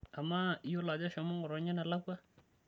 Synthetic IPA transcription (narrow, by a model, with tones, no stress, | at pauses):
a˨ma˦jo˦la˨d͡ʒa˦ʃɔ˨mʊ˦ŋɔ˨ɾɔ˨ɲɛ˦na˨la˦kwa˦